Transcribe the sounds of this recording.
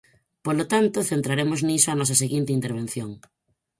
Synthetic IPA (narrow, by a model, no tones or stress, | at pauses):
polot̪ant̪oθent̪ɾaɾemoznisoanɔs̬ɐseɣint̪ɪint̪eɾβ̞ẽn̟θjoŋ